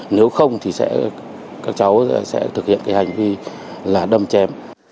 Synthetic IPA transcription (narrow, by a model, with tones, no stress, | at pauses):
ne˨˦wxə˧wŋ͡mt̪ʰi˨˩sɛ̰˧˥ | kaː˦˥k̚t͡ɕa˨˦wsɛ̰˧˥t̪ʰɨ˨˩k̚hḭ˧˨ənkaː˨˦jha˨˩jŋ̟vi˧ | laː˨˩ɗə˧mt͡ɕɛ˨˦m